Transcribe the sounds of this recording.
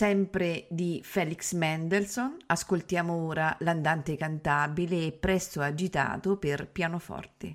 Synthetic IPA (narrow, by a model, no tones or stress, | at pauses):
sɛmpɾed̪ifɛːliksmɛnd̪elsonaskolt̪jaːmooːɾaland̪ant̪ekant̪aːbileːpːɾɛst̪oad͡ʒit̪a̰ːt̪operpjaːnofɔ̰rt̪ḛ